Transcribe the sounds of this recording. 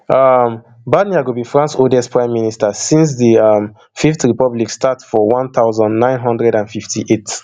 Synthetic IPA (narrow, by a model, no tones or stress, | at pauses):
ʌm | badniaɡubifɹãnsodɛspʰɹãɪ̃mːinistəsĩns̬ðəʌm | fiftɹipɔblikstatsfɔwɔ̃nθaʊzə̃ndnãɪ̃nɦɔ̃ndɹɛdãnfiftʰiʔet